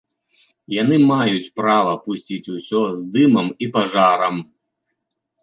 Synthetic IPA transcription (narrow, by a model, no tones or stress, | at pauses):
janɨmajut͡sʲpɾavɐpusʲt͡sʲit͡sʲusʲɔzd̪ɨmɐmipaʐaɾɐm